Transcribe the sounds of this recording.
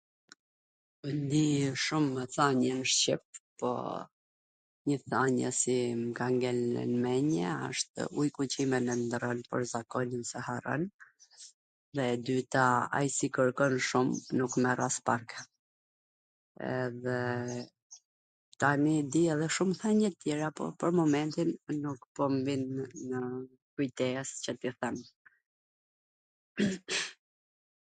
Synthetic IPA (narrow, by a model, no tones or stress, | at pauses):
nd̪iʃuməθaɲɛnʃt͡ɕip̚pɔ̰ | ɲəθaɲə̰simkaŋɡɛl̰nmɛɲɛə̰ʃt̪ujkut͡ɕimɛnɛnd̪ɾɔnpə̰ɾzakɔnənsɛharɔ̰n | ðɛd̪yt̪aa̰jsikəɾkɔnʃumnukmɛraspaɾkɛ | ɛ̰ðɛ | t̪anid̪iɛðɛʃumθɛnət̪jɛɾapɔ̰pəɾmɔmɛnt̪inːukpɔmvinːə | kujt̪ɛɛscət̪iθɛm